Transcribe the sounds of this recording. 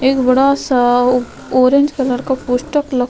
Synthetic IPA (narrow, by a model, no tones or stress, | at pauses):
eːkbɐɽas | oːɾẽnd͡ʒkɐləɾkapuʃʈəklɐ